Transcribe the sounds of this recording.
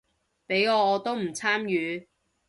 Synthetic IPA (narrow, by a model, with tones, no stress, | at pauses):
pe˨˥jɔː˨˧ɔː˨˧t̪o˥wm̩˨˩t͡sʰaː˥mjyː˨˧